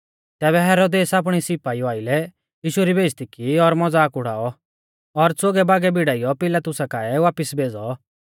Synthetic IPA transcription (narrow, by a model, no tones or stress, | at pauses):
t̪ɛːβɛɦɛːɾod̪eːsaːp̬ɽ̃isɪpaːiɔaːɪlɛ | jiːʃuɾibeːst̪ikiɔɾmɔd͡zaːkʊɽ̤a̰ːɔ | ɔɾt͡soɡɛbaːɡɛbɪɽaːijɔpɪlat̪ʊsakaːɛʋaːpɪsbeːd͡zɔ